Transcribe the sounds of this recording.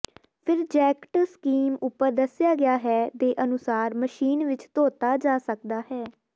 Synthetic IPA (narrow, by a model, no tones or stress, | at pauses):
pʰɪɾd͡ʒɛːkʈəskiːmʊpːəɾd̪əsɪjaːɡɪjaːɦɛːt̪eːʔənʊsaːɾməʃiːnʋɪt͡ʃt̪oːt̪aːd͡ʒaːsək̚d̪aːɦɛː